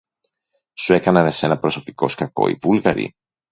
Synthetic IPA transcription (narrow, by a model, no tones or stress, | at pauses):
sue̞kɐnɐnese̞nɐpɾo̞so̞pi̥ko̞skɐko̞̰ḭvulɣɐɾḭ